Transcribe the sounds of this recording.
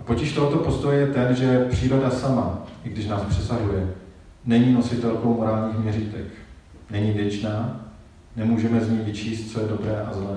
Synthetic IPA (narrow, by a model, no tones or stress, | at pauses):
po̞cɪʃt̪o̞ɦot̪o̞po̞st̪o̞jɛjɛt̪ɛnʒɛpr̝̥iːɾo̞dasamaʔɪɡdɪʃnaːspr̥ɛsaɦujɛ | nɛɲiːnosɪt̪ɛlko̞wmo̞ɾaːlɲiːxmɲɛriːt̪ɛ̰k | nɛɲiːvjɛt͡ʃnaː | nɛmuːʒɛmɛzɲijvɪt͡ʃiːst̪̚t͡sojɛdo̞bɾɛːʔazlɛː